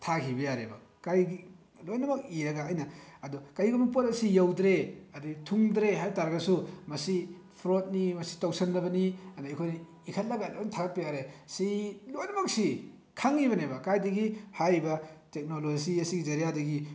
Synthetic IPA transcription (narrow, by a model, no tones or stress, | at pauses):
tʰakʰibɐjaɾebɐ | kajɡi | lojnɐmɐk̚iɾɐɡaːjnɐːdɔkajɡumɐpotɐsijawdɾeɐditʰuŋdɾeɦajtaɾɐɡɐsumɐsi | pʰɾot̚nimɐsi̥tawsɐnːɐbɐniɐnaikʰojni | ikʰɐt̚lɐɡalojntʰaɡɐt̚pɐjaɾesilojnɐmɐk̚si | kʰaŋibɐnebɐkajdɐɡihajbɐtek̚noloziɐsiɡizɐɾijadɐɡi